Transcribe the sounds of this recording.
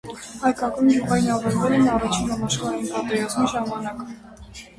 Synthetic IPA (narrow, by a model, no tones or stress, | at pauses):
hɑjkɑkɑnduʁɑjinɑvɛɾvɛlɛnɑrɑt͡ʃʰinɑmɑʃχɑɾɛjinpɑt̪ɛɾɑzmiʒɑmɑnɑk